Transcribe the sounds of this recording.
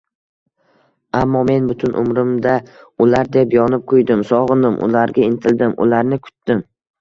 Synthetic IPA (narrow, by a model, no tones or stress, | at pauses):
amːɒme̞nbʊt̪ʰʊnʔʊ̰mɾɪmd̪a | ʊlaɾd̪epjɒnɪp̚qʰʊjd̪ɪmsɒʁɨnɪmʔʊ̰laɾɡʲaɪnt̪ʰɪld̪ɪmʔʊ̰laɾnɪkʰʊ̥t̪d̪ɪm